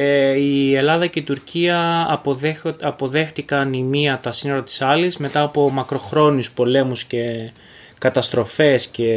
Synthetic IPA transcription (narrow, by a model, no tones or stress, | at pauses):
ie̞lɐðɐce̞it̪uɾciɐ | ɐpo̞ðe̞xt̪ikɐnimiɐt̪ɐsino̞ɾɐt̪i̥sɐlizme̞t̪ɐːpo̞mɐkɾo̞xɾo̞nuspo̞le̞musce̞ | kɐt̪ɐst̪ɾo̞fe̞sce̞